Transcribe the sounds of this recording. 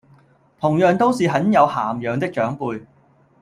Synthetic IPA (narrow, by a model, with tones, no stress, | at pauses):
t̪ʰʊ˨˩ŋjœː˨ŋt̪o˥wsiː˨˧ɦɐ˨˥njɐ˨˧whaː˨˩mjœː˨ŋt̪ɪ˥k̚t͡ʃœː˨˥ŋpuː˧j